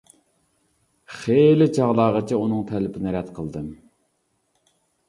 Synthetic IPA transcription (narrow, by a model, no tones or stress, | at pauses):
χelɪt͡ʃʰɑʁlˠɑːʁət͡ʃʰɛunɨŋt̪ʰɛlɪpʰɪnɪɾɛt̪qʰəlˠd̪ɨm